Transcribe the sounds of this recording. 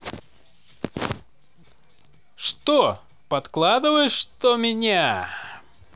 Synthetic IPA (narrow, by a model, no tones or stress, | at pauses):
ʂt̪o | pɐt̪klˠad̪ɨvəjʂt̪omʲɪnʲa